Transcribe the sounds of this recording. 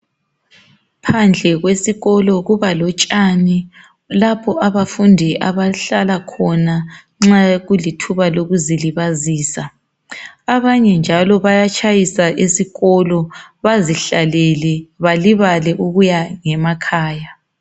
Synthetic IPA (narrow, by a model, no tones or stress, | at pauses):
pʰand͡ɮʱɛɣwesiɣɔlɔɣuβalɔt͡ʃʼani | lapʰɔʔaβafundʱiʔaβaɬalakʰɔna | ŋ͡ǁaɣulitʰuβaloɣuziliβaziːsa | aβaɲɛnd͡ʒʱalɔβajat͡ʃʼʰajisaʔisiɣɔlɔβaziɬalɛlɛβaliβalɛʔuɣujaŋɛmakʰaːja